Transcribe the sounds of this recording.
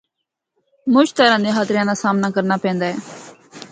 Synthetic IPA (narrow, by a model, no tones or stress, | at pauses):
mʊt͡ʃt̪əɾãːd̪eːɦaːt̪ɾjãːnaːsaːmnaːkəɾnaːpɛ̃ːnd̪aːɛː